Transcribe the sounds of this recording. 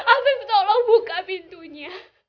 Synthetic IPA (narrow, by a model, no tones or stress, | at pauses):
apɪbt̪ɔlɔŋbukapint̪uɲa